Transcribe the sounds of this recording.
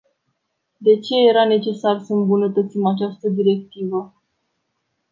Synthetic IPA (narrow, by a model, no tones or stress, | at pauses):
d̪e̞t͡ʃe̞je̞ɾane̞t͡ʃe̞sarsəɨmbunət̪ət̪simat͡ʃast̪əd̪iɾe̞k̚t̪ivə